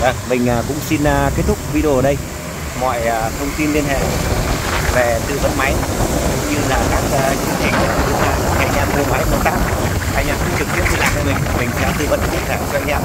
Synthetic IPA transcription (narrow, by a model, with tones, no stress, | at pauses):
vəː˧˩ŋmï˨˩ŋ̟ʔaː˨˩kʊ̰˧˥ŋ͡msi˧nː˨˩ke˦˥t̚t̪ʰʊ˦˥k͡p̚vi˧ɗo˧˩˨ɗə˧j | mɔ̰˧˨jəː˨˩t̪ʰə˧wŋ͡mt̪i˧nli˧ənɦḛ˧˨ | ve˨˩t̪ɨ̰˧˨və̰˧˥nma˨˦jɲɨ˧laː˨˩kaː˦˥k̚ːt͡ɕɨ˧t͡ɕa˧˩jŋki˦˥ət̚zɨ˨˧˦a̰ː˧˨n˨˩ʔa̰˧ŋ̟ʔaː˧mmu˧əma˨˦jɓo˧˩t̚t̪aː˦˥k̚ | ʔa˧jŋ̟aː˧mkʊ̰˧˥ŋ͡mt͡ɕɨ˨˩k̚t̪i˦˥ət̪̚ḭ˧˩laː˨˩mt͡ɕɔ˧˩mï˨˩ŋ̟˨˩mï˨˩ŋ̟sɛ̰˧˥t̪ɨ̰˧˨və̰˧˥n˧i˧˦ənt̪ʰaː˧˩t͡ɕɔ˧ʔa˧jŋ̟ɲa̰ː˧˨